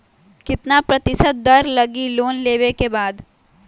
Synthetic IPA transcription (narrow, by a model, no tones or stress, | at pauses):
kɪt̪napɾət̪ɪsət̪̚d̪əɾləɡiloːnleːʋekebaːd̪